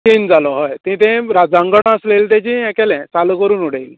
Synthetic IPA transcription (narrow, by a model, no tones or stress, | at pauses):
t͡ɕeːnd͡zalɔɦɔjt̪ĩt̪ẽɾad͡zãŋɡəɽ̃əslelt̪ãt͡ɕĩɛ̃kɛlɛ̃t͡salokəɾuːnuɽ̤eil